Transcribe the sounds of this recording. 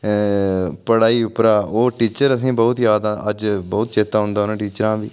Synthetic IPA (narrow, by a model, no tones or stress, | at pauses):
pəɽaːiːʊpɾaːoːʈiːt͡ʃəɾəsĩːbɔːt̪jaːd̪ãəd͡ʒbɔːt̪t͡ʃeːt̪aːɦʊ̃nd̪aːʊnãːʈiːt͡ʃɾãːʋiː